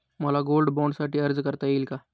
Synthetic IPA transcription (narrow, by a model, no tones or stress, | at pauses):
mɐlaɡoːlɖbɔ̃ːɳɖsaːʈiɐɾd͡ʒkəɾt̪aiːlka